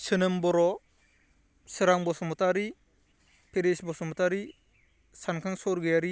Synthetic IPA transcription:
sɯnɯmbɔɾɔ | sɯɾaŋbɔsɔmɔtaɾi | pʰeɾesbɔsɔmɔtaɾi | sankʰaŋsɔɾɡɯjaɾi

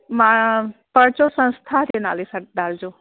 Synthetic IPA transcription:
mãpəɽt͡ʃosə̃nst̪ʰaɾena̰ːlisaʈd̪ald͡ʒo

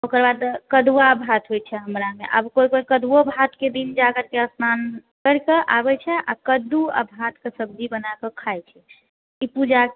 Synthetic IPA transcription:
okəɾbad̪kəd̪uabʱat̪ɦojt͡ʃʰɛɦəmɾameʔəbkojkoikəd̪wobʱat̪ked̪ind͡ʒaɡəɾkeəsnan | kəɾkeʔabɛt͡ʃʰɛʔa̰kəd̪uə̰bʱat̪kesəb̚d͡ʒibənakəkʰajt͡ʃʰɛ | ipud͡ʒa

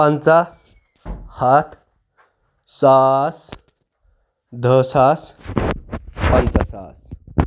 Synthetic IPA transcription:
pãnt͡sa | hat̪ʰ | sas | d̪ʱəsas | pant͡sasas

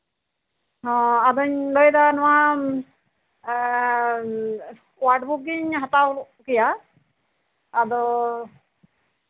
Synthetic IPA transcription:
ɦɔ̃ad̪ɔɲlɔjd̪anɔwa | waʈbuk̚ɡiɲɦat̪awkija | d̪ɔ

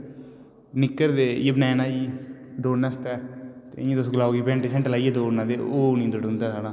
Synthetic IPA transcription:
nɪkːəɾd̪eːjebnɛːnãːd͡ʒiːd̪oːnːast̪ɛːt̪ḛːẽːd̪ʊsɡlaːɡibẽːɳʈːt͡ʃʰəɳʈlaːieːd̪oːnãːd̪eːoːnĩːd̪ʊɖɦʊ̃nd̪aːsaːɽãː

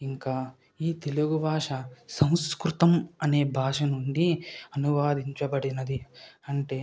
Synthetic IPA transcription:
iŋkaː | iːt̪eluɡubʱaːʂɐsɐw̃skɾut̪ɐmɐne̞ːbʱaːʂɐnuɳɖiɐnuʋaːd̪ʱiɲt͡ʃɐbɐɽinɐd̪iɐɳʈeː

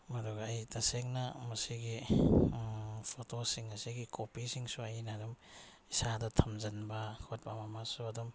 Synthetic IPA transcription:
mɐduɡːjtɐseŋnɐmɐsiɡi | pʰotosiŋɐsiɡikʰopisiŋsuɐjnadum | isadɐtʰɐmzɐnbɐkʰot̚bamamasuɐdum

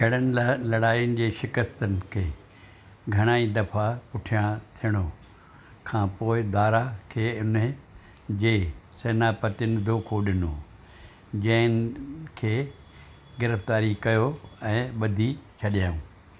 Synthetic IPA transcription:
kʰɐɽənɪlɐɽaːijʊnɪ̆d͡ʑeːʃɪkəst̪ənɪ̆kʰeː | ɡʱɐɽ̃aːid̪ɐfapʊʈʰijãt̪ʰijəɽ̃o | kʰãːpoːɪd̪aːɾakʰeːʊn | d͡ʑeːseːnaːpɐt̪ɪnɪ̆d̪ʱoːkʰoɗɪno̰ | d͡ʑɐ̃ɦɪnɪkʰeː | ɡɪɾəft̪aːɾikɐjoɛ̃ːɓɐd̪ʱit͡ɕʰɐɗijaũː

